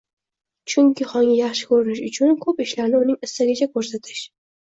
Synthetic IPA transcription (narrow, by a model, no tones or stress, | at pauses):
t͡ʃʰʊŋkʲʰɪχɒŋɪjɑχʃɪ̥kʰɵɾɪnɪʃʊt͡ʃʰʊnkʰɵpɪʃlaɾnɪʊnɪŋɪst̪aɡʲat͡ʃʰakʰɵɾsat̪ʰɪʃ